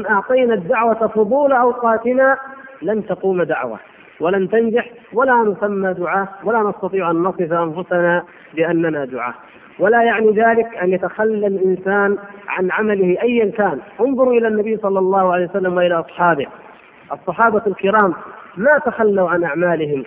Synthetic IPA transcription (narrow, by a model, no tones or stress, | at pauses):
ɪnʔɑʕt̪ˤɑjnad̪ːaʕwafʊðˤuːlaʔɑwqɑːt̪ɪnalant̪aquːmd̪aʕwa̰ | walant̪and͡ʒaħ | walanʊsamːad̪ʊʕaːwalanɑst̪ɑt̪ˤiːʕʔanːɑsˤɨfaʔanfʊsana | bɪʔanːanad̪ʊ̰ʕa̰ː | walajaʕniðaːlɪkʔanjat̪axalːalʔɪnsaːnʕa̰nʕamalɪhɪʔajːankaːnʔʊnðˤʊɾʔɪlanːabijːsˤɑlːɑlˤːɑːhʕalejwsalːamwaʔɪlaʔɑsˤħɑːbɪ | ʔɑsˤːɑħɑːbaalkɪɾaːmːat̪axalːawʕanʔaʕmaːlɪɦɪm